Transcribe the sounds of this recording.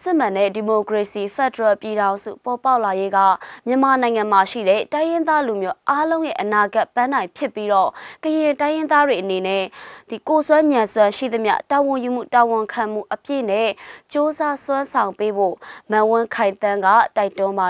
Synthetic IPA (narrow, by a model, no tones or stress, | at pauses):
sɪmãnɛ̰dimokɹesifɛdəɹɛpjiɾãʊ̃nzṵpɔpaʊlajeɡä̰mjəmanãɪ̃ŋãmaʃḭɾɛ̰tãɪjɪ̃nd̪ðalumjoʔalõʊ̃jɛ̰ʔənaɡapːãndãɪ̃pʰjɪpːiɾɔkəjɪ̃tãɪjɪ̃nd̪ðadweʔənenɛd̥ikoswãɲãswãʃḭd̪əmjä̰tawʊ̃jum̥ṵtawʊ̃ŋkʰãm̥ṵʔəpjḛnɛt͡ɕozaswãnsʰãʊ̃mpebo̰mãwʊ̃kʰãɪ̃nt̪ãŋɡa̰taɪtʊ̃mba